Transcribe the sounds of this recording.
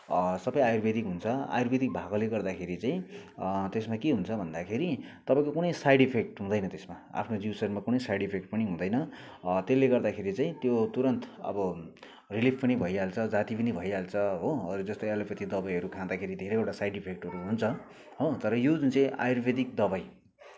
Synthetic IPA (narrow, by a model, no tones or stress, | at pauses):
sʌbʌjajurbʱed̪ikɦunt͡sʰʌa̰jurbed̪ik̚bʱaɡʌleɡʌrd̪akʰeɾit͡saĩt̪esmakeɦunt͡sʰʌbʱʌnd̪akʰeɾit̪ʌpãĩkokunʌjsajɖipʰek̚ʈɦũd̪ʌjnʌt̪esma | a̰pʰnod͡ziwsʌrmakunʌjsajɽipʰek̚ʈ̚pʌniɦũd̪ʌjnʌ | t̪elːeɡʌrd̪akʰeɾit͡saĩt̪jot̪uɾʌnt̪ʌ̰bʌ | rilipʰpʌnibʱʌialt͡sʰʌd͡zat̪ipʌnibʱʌjalt͡sʰʌɦoʌɾud͡zʌst̪ʌjʌlapʌt̪id̪ʌbajɦʌɾukʰãd̪akʰeɾid̪ʱeɾʌjowʈasajɖipʰek̚ʈɦʌɾuɦunt͡sʰʌ | ɦot̪ʌɾʌjod͡zunt͡sãĩʔa̰jurbʱed̪ik̚d̪ʌbaj